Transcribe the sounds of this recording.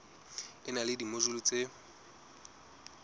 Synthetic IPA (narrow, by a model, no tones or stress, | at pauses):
ɪnalɪdimoʒʊlʊt͡sʼe